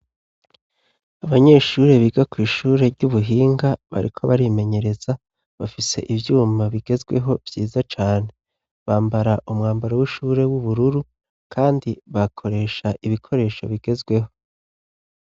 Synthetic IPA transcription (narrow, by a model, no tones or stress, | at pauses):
aβaɲe̞ːʃuːɾe̞βiːɡakwiːʃuːɾe̞ɾɟuβuɦiːŋɡaβa̰ɾikʰoβaɾime̞ɲe̞ɾe̞z̥a | βafise̞ʔiβjuːmaβiɡe̞zɡwe̞̰ɦo̞vjiːzat͡ʃaːne̞ | βaːmbaɾaʔumŋaːmbaɾawiʃuːɾe̞wuβuɾuɾu | kʰaːndiβakʰo̞ɾe̞ːʃaʔiβikʰo̞ɾe̞ːʃo̞̰βiɡe̞zɡwe̞ho̞̥